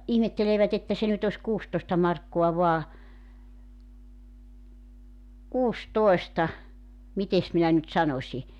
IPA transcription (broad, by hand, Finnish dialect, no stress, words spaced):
ihmetːeleːʋæt etːæ se nyt os kuːstoĭstɑ mɑrkːoɑ ʋoɑ kuːstoestɑ mites minæ nyt sɑnosʲi